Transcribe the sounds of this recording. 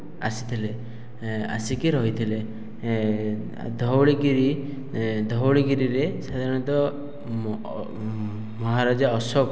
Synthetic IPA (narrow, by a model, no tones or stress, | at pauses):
asi̥t̪ʰile | a̰sikiɾɔɦit̪ʰile | d̪ʱɔwɭiɡiɾi | d̪ʱɔwɭiɡiɾiɾesad̪ʱaɾɔ̃ɽ̃ɔnt̪ɔ | mɔɦaɾad͡ʒaɔsɔ